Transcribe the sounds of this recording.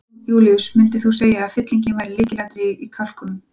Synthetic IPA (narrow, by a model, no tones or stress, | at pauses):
juːliʏsmʏnt̪ɪθuseːjaːðfɪt̪liɲcɪvajɾɪliːcɪlaht̪ɾɪikʰal̥kʏnʏm